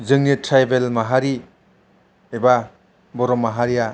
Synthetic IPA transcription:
zɯŋnitʰɾajbelmaɦaɾi | eba | bɔɾɔmːaɦaɾija

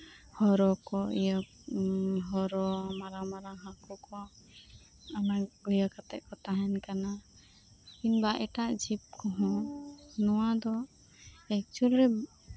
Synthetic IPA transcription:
hɔɾɔkɔijɔ | ɦɔɾɔmaɾamaɾaɦãkɔkɔ | anaɡɔjakat̪ɛʔkɔt̪aɦɛnkana | kinbaʔɛʈaʔd͡ʒip̚kɔɦɔ̃nɔwad̪ɔ | ɛk̚t͡ʃulɾɛ

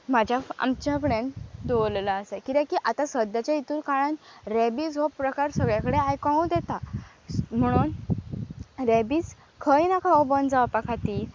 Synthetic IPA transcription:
mad͡ʑʱjaa̰mt͡ɕjapɽẽnd̪oʋllaəsekit̪ãkiʔat̪asəd̪jat͡ɕjait̪uːɾkaɭanɾebiːd͡zɦopɾəkaɾsəɡɭjakəɽeajkaũd̪ɛt̪a | m̤əɽ̃uːn | ɾebiːt͡s | kʰəjinakʰaɔbənd͡zaʋapakʰat̪i

